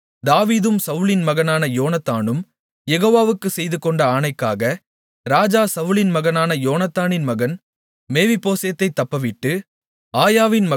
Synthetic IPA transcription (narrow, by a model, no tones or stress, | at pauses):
d̪aːʋiːðɯmsɐʋɯɭɪnmɐɣɐnaːnɐjoːnɐt̪ːaːnɯm | jɛɣoːʋaːʋɯkːɯsɛjðɯkɔɳɖɐaːnɐɪkːa̰ːɣɐ | ɾaːd͡ʒaːsɐʋɯɭɪnmɐɣɐnaːnɐjoːnɐt̪ːaːnɪnmɐɣɐn | meːʋɪpːoːsɐjɐt̪ːɐɪt̪ːɐpːɐʋɪʈːɯ | aːjaːʋɪnmɐ